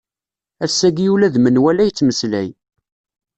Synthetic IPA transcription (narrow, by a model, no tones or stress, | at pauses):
æsːæɡijulæðmənwælæjət͡sːməslæ̰j